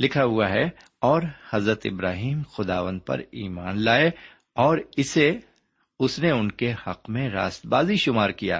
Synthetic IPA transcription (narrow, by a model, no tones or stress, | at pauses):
lɪkʰaɦʊaɦɛ | ɔːɾhɐzɾət̪ɪ̰bɾaːɦiːmxʊd̪aːʋə̃nd̪̚pɐ̰ɾiːmaːnlaːe | ɔːɾɪse | ʊsneʊnkehɐqmẽɾa̰ːst̪baːziʃʊmaːɾkija̰ː